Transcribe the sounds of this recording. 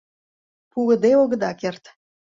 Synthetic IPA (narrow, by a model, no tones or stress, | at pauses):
puɣə̆d̪eoɣə̆d̪ɑkert̪